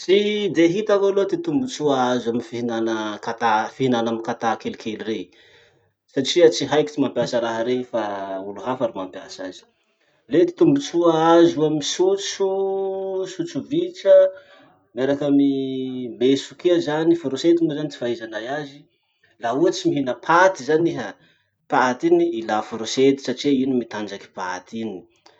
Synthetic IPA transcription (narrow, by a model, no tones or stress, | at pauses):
t͡ʃid̪eɦit̪akolot̪it̪umbut͡suaazaminifiɦinanəkat̪afiɦinanaminkat̪akelikʰelire | saʈ͡ʂiat͡siɦajki̥t͡simampjasəɾaɦəɾefauluɦafaɾumampjasa̰zi̥ | let̪i̥t̪umbut͡suaazuamisut͡su | sut͡suvit͡ʃə | miaɾakamimesukeazanifoɾoset̪unizant͡s̪i̥faezanajazi | lauat͡simiɦinəpʰat̪izaniɦa | pat̪iniilafoɾoset̪i̥saʈ͡ʂiinimit̪and͡ʒaki̥pa̰t̪ini̥